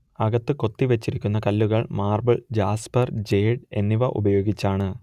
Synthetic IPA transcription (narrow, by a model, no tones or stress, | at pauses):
ɐɣɐt̪ːɨko̞t̪ːiʋet͡ɕːiɾikʲːunːɐkɐlːuɣɐɭmaːrbɐɭd͡ʑaːspɐrd͡ʑe̞ːɖe̞nːiʋɐʔṵbɐjo̞ːɡit͡ɕːaːɳɨ